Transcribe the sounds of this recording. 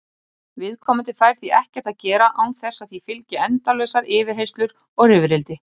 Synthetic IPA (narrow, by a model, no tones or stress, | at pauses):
vɪðkʰɔːmʏnt̪ɪfaːjɾ̥θiɛhcɛɾ̥t̪aðcɛːɾaʔawθɛsːaðθifɪlcɪɛnt̪alœɥsaɾɪːvɪɾ̥ɦejst̪lʏɾ | ɔɣɾɪːvɾɪlt̪ɪ